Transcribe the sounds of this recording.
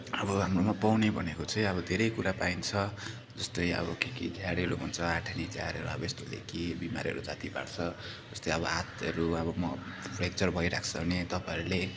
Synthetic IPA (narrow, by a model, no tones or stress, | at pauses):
ʌbʌɦamromʌpawnebʱʌnekot͡sʌj̃ʌβʌd̪ʱeɾʌjkuɾapaint͡sʰʌ | d͡zʌst̪ʌjʌ̰bʌkikid͡zʱjaɽeɾuɦunt͡sʰʌaʈʰanid͡zʱja̰ɾeɾuʌbʌest̪olḛkibimaɾʌ̰ɾud͡zat̪iba̰ɽt͡sʰʌ | d͡zʌst̪ʌjʌbʌ̰at̪ʌɾuʌβʌmʌpʰrek̚t͡sʌrbʱʌiɾa̰kʰt͡sʰʌbʱnet̪ʌpãeɾule